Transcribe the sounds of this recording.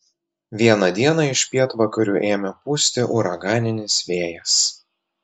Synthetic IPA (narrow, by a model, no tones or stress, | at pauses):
ʋʲiɛnɐd̪ʲiɛnɑɪʃʲpʲiɛt̪ʋɐkɐɾʲuːʔeːmʲɛpuːsʲt̪ʲɪʔʊɾɐɡɑːnʲɪnʲɪsʋʲeːjɛs